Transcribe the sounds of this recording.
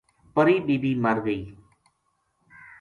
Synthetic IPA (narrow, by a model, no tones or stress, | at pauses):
pəɾiːɗiːbiːməɾɡəiː